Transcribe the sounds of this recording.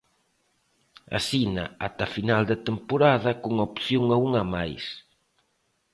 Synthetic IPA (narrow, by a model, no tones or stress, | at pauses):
a̰sina̰at̪afinald̪et̪empoɾaðɐkuŋopθjoŋauŋamajs